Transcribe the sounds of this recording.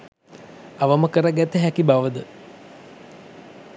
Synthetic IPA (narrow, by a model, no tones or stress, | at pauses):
aʋəməkəɾaɡæt̪əɦækibaʋəd̪ə